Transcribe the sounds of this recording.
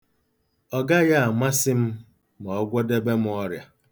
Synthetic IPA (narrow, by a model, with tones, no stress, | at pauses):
ɔ˦˨ɡa˦ja˦a˨ma˦sɪ˦m̩˦ | mɔ˨˦ɡʷo˦de˦be˦m̩˦ɔ˦ɾja˨